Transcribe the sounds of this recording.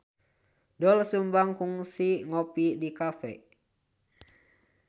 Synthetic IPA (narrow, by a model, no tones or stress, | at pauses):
dɔlsumbaŋkuŋsiŋopidikafɛ̰